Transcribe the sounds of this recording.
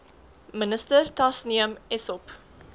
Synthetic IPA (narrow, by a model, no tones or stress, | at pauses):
mənəstərtɐsniəmɛsɔp